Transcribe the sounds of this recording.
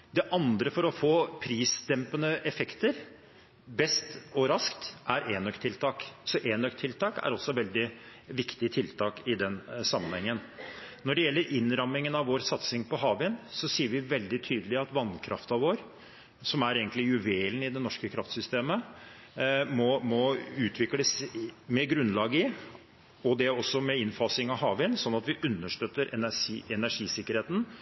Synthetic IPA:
d̪ɛʔɑnd̪ɾəfɔɾɔfoːpʰɾiːsd̪ɛmpənəʔɛfɛkt̪əɾ | bɛst̪ɔɾɑskt̪ʔæɾʔeːnœkt̪ʰːɪlt̪ʰɑːksɔʔeːnœkt̪ʰɪlt̪ʰɑːkæ̰ɾɔsɔʋɛld̪ɪʋɪkt̪ɪt̪ʰɪlt̪ʰɑːkɪd̪ɛnsɑmːənhɛŋːənnɔɖɛjɛlːəɾʔɪnɾɑmɪŋənɑʋʋoːɾsɑt̪sɪŋpɔɦɑːʋɪnsɔsiːəɾʋɪʋɛld̪ɪt̪ʰyːd̪əlɪɑt̪ʋɑnkʰɾʔɑ̰ft̪ɑʋoːɾ | sɔmæɾeːɡənt̪lɪjʉʋeːln̩ɪd̪ɛnɔʂkəkʰɾɑft̪sʏst̪eːmə | mɔmɔʉːt̪ʰʋɪkləsmɛɡɾʉnlɑːɡɪ | ɔd̪ɛɔsːɔmɛɪnfɑːsɪŋɑʋɦɑːʋɪnsɔnːɑt̪ʋɪʔʉnːəʂt̪øːt̪ːəɾæɛnæʂiːsɪkːəɾheːt̪n̩

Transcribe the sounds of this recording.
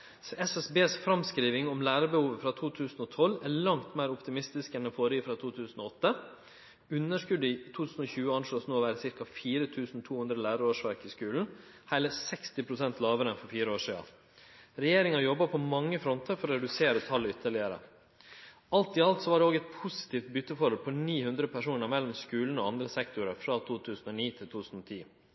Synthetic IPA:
ɛsɛsbeːsfɾɑmskɾiːʋɪŋɔmlæːɾəbəhuːʋəfɾɑt̪ʰuːt̪ʰʉːsn̩ɔt̪ʰɔlːæɭɑŋt̪mæɪɾʊpt̪ɪmɪst̪ɪskɛnɛfoːɾəifɾɑt̪ʰuːt̪ʰʉːsn̩ɔɔt̪ːə | ʉnːəʂkʉd̪ɪt̪ʰuːt̪ʰʉːsn̩ɔçʉːəɑnʂɭoːsnoːʋæːɾəsɪɾkɑfiːɾət̪ʰʉːsn̩t̪ʰuːhʉnd̪ɾəlæːɾɑɾoːʂʋæɾkɪskʉːln̩ | hæɪləɾsɛkst̪ɪpʰɾʊsɛnt̪lɑːʋəɾənfɔɾfiːɾəoːʂiːɑ̰ | ɾɛjeːɾɪŋɑɾjɔbːɑpʰɔmɑŋːəfɾɔnt̪əɾfɔɾɔɾɛd̪ʉseːɾət̪ʰɑlːʏt̪ʰːəɭɪəɾə̰ | ɑlt̪ɪɑlt̪sɔʋɑːɖɛoːɡɛt̪̚pʰʊsɪ̥t̪ʰiːft̪̚bʏt̪ːəfɔɾəlpʰɔniːhʉnd̪ɾəpʰæʂuːnəɾmɛlːɔmskʉːln̩oɑnd̪ɾəsɛkt̪ʊɾəfɾɑt̪ʰuːt̪ʰʉːsn̩oːniːt̪ʰɪlt̪ʰuːt̪ʰʉːsn̩ɔt̪ʰiː

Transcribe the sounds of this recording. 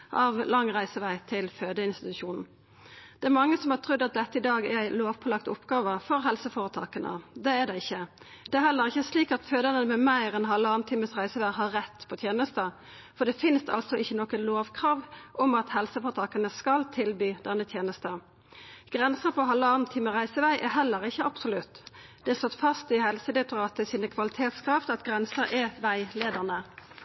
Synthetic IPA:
ʔɑʋlɑŋːʁæɪsəʋæɪt̪ʰɪlføːd̪əɪnst̪ɪt̪ʉʃuːnn̩ | d̪̥ɛæɾmɑŋːəsɔmhɑʈ̪ʰʁʉd̪ːɑt̪̚d̪ɛt̪ːəɪd̪ɑːɡɛɾæɪloːʋpʰɔlɑkt̪ʊpːɡɑːʋəfɔʁɦɛlsəfoːʁət̪ʰɑ̰ːkənʔə̰d̪ɛæɖ̪ɛɪçːə | d̪̥ɛæɾhɛlːəʁɪçːəsliːkɑt̪føːd̪ənənəmɛmæɪɾɛnɦɑlːəɑːnt̪ʰɪːməsʁæɪsəʋæɪɦɑʁɛt̪ːpʰɔt̪ʰjeːnəst̪ə | fɔʁd̪ɛfɪnst̪ʰɑ̰lsɔɪçːənɔkəloːʋkʰʁɑːʋʔɔmɑt̪hɛlsəfɔt̪ʰɑːkənəskɑlt̪ʰɪlbyːd̪ɛnːət̪ʰjeːnəst̪ə | ɡ̥ʁɛnsəpʰɔɦɑlːəɑːʁnt̪ʰiːməʁæɪsəʋæɪʔɛɦɛlːəʁɪçːəɑb̥sʊlʉt̪ːd̪̥ɛɛsɔt̪ːfɑst̪ɪhɛlsəd̪ɛt̪ʊʁɑːt̪əsiːnəkʰʋɑlɪt̪ʰeːt̪skʰɾɑft̪ɑt̪ɡʁɛnsəɾʔɛʋæɪleːd̪əʁnə

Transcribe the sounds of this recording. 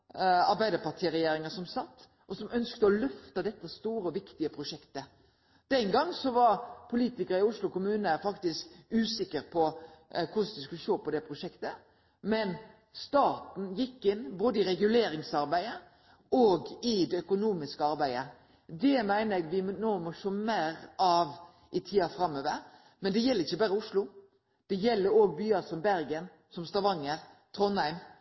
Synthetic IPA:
ɑɾbæɪd̪əpɑʁʈ̪ʰiːəɾɛjeːɾɪŋəsɔmsɑt̪ː | ʔɔsɔmʔœnskt̪əɔlœft̪əd̪ɛt̪ːəst̪uːɾəɔʋɪkt̪ɪəpʰɾʊʂɛkt̪ə | d̪̥ɛnɡɑŋːsɔʋɑɾpʰʊliːt̪ɪkəɾəɪʊslʊkʊmʉːnəfɑkt̪ɪskʉːsɪkːəɾpʰɔkʰʊsd̪ɪskʉlʂoːpɔd̪ɛpʰɾʊʂɛkt̪ə | mɛn | st̪ɑːt̪n̩jɪkːɪnːboːd̪əɪɾɛɡʉleːɾɪŋsɑɾbæɪə | ʔoːɡɪd̪ɛœkʊnuːmɪskəɑɾbæɪə | d̪ɛmæɪnəɾɛɡʋɪnoːmɔʂoːmæːɾɑːʋ | ʔɪt̪ʰiːɑfɾɑmːøːʋəɾ | mɛnd̪ɛjɛlːəɾɪçːəbɑːɾəʊʂlʊ | d̪̥ɛjɛlːəɾoːɡ̚byːɑsɔmbæɾɡən | sɔmst̪ɑʋɑŋːəɾt̪ʰɾɔnhæɪm

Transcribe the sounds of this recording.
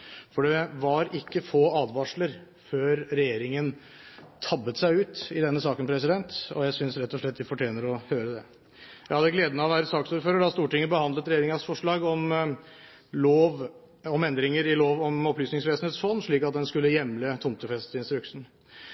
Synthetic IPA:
fɔɖɛʋɑɾɪkːəfoːɑːd̪ʋɑʂləɾ | føːɾɾɛjeːɾɪŋən | t̪ʰɑbːət̪sæɪʉːt̪ɪd̪ɛnːəsɑːkənpʰɾɛsɪd̪ɛnt̪ɔ̰jæɪsʏnsɾɛt̪ːɔʂɭɛt̪ːd̪ɪfɔʈʰjeːnəɾɔhøːɾəd̪ɛ | jæɪhɑd̪ːəɡleːd̪ənəɔʋæːɾəsɑːksuːɾføːɾəɖɑst̪uːʈɪŋːəbəhɑnd̪lət̪ɾɛjeːɾɪŋɑsfɔʂɭɑːɡɔm | loːʋ | ɔmɛnd̪ɾɪŋəɾɪloːʋɔmɔplyːsnɪŋsʋeːsneːt̪sfɔnːʂɭiːkɑt̪̚d̪ɛnskʉlːəjɛmlət̪ʰʊmt̪əfɛst̪ɪnst̪ɾʉksn̩

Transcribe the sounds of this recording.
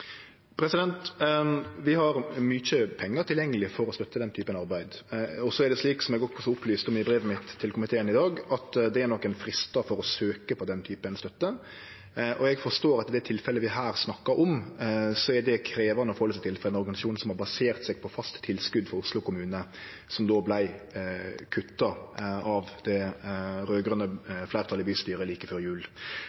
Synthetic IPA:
pʰɾɛsɪd̪ɛnt̪ | ʋɪhɑɾmyçəpʰɛŋːəʈ̪ʰɪljɛŋːəlɪfɔɾɔst̪œt̪ːəd̪ɛnt̪ʰyːpənɑɾbæɪd̪ɔsɔɛɾɖ̪ɛsliːksɔmɛɡɔkːsɔʊplyːst̪ɔmɪbɾeːʋəmɪt̪ʰːɪlkʊmɪt̪ʰeːənɪd̪ɑːɡɑt̪d̪ɛæɾnɔkːɛnfɾɪst̪ɑfɔɾɔsøːkəpʰɔd̪ɛnt̪ʰyːpənst̪œt̪ːə | ʔɔɛɡfɔʂt̪oːɾɑt̪ɪd̪ɛt̪ʰɪlfɛlːəʋɪɦæːɾsnɑkːɑɾʔɔmsɔɛd̪ɛkʰɾeːʋɑnəɔfɔhɔlsæɪt̪ʰɪlfɔɾd̪ɛnɔɾɡɑnɪsɑʃuːnsɔmhɑɾbɑseːɾt̪sɛɡ̚pʰɔfɑst̪t̪ʰːɪlskʉd̪fɔɾʊslʊkʊmʉːnə | sɔmd̪oːblæɪ | kʰʉt̪ːɑɑʋd̪̥ɛ | ɾøːɡɾœnəflæɪɾt̪ʰɑlɪbyːst̪yːɾəliːkəføːɾjʉːl

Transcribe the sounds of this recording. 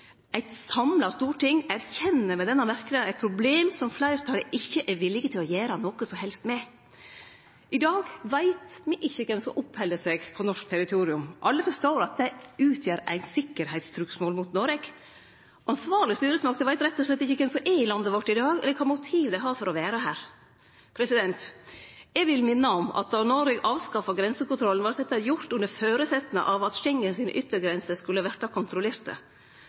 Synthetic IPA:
ʔæɪt̪sɑmlɑst̪uːʈʰɪŋːæɾçɛnːəmɛd̪ɛnːɑmæɾkənɪənæɪt̪pʰɾʊbleːmsɔmflæɪɾət̪ʰɑləʔɪçːəʔɛɾʋɪlːɪɡət̪ʰɪlɔjæːɾɑnɔkəsɔmhɛlst̪mɛ | ʔɪd̪ɑːɡʋæɪt̪mɪʔɪçːəkʰɛmsɔmʔʊphɛlːəsɛɡpʰɔnɔʂk̚t̪ʰæɾɪt̪ʰuːɾɪʉmʔɑlːəfɔʂtoːɾɑt̪̚d̪ɛʉːt̪ʰjøːɾæ̰ɪnsɪkːəɾhæɪt̪st̪ʰɾʉːksmoːlmut̪nɔɾɛk | ɑnsʋɑːɾɭɪst̪yːɾəsmɑk̚d̪ɛʋæɪt̪ɾɛt̪ːɔʂɭɛt̪ːɪçːəkːɛnsɔʔɛɪlɑnd̪əʋɔʈːɪd̪ɑːɡɛ̰ləkʰɑmʊt̪ʰiːʋd̪æɦɑɾfɔɾɔʋæːɾəɦæːɾ | pʰɾɛsɪd̪ɛnt̪jɛɡʋɪlmɪnːəɔmɑ̰t̪̚d̪ɑnɔɾɛɡʔɑːʋskɑfɑɡɾɛnsəkʊnt̪ɾɔlənʋɑːɾsɛt̪ːɑjʊɾt̪ʉnːəɾføːɾəsɛt̪ːnə̰ʔɑʋɑt̪çɛŋːənsiːnʔʏt̪ːəɾɡɾɛnsəskʉlːəʋæʈːɑkʰʊnt̪ʰɾʊleːɾt̪ə̰

